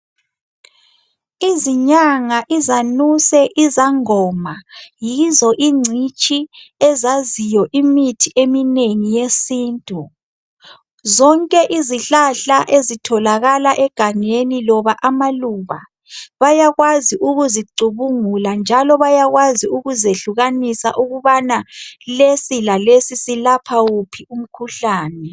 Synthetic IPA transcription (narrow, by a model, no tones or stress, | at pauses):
iziɲaŋaʔizanusɛʔizaŋɔmajizɔʔiŋ͡ǀʱit͡ʃʼiɛzazijɔʔimitʰiʔemineŋijesiːntʼu | zɔŋkʼɛʔiziɬaɬaʔezitʰɔlaɣalaʔɛɡ̥ʱaŋenilɔβaʔamaluβa | βajaɣwaziʔuɣuziǀʱuβuŋuland͡ʒʱalɔβajaɣwaziuɣuzeɬuɣanisa̰ʔuɣuβanalesilalesisilapʰawupʰium̩kʰuɬaːnɛ